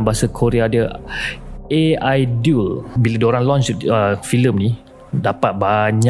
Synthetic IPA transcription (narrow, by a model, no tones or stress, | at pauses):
baɦasakʰoɾeadə | eajdulbiladoɾaŋlɔnt͡ʃəfiləmni | dapat̪̚baɲa